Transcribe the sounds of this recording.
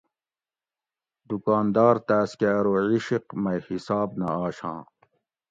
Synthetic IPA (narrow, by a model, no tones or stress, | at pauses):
d̪ukaːnd̪ɑːɾt̪æːskeɾoʕiɕiqmɐjhisɑːbnɐ̰aːɕã̰ː